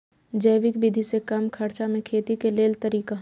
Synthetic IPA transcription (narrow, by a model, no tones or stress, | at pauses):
d͡ʒəɪʋɪkbid̪ʱisekɐmkʰɐɾt͡ʃamẽkʰeːt̪ikeleːlt̪əɾiːkaɦ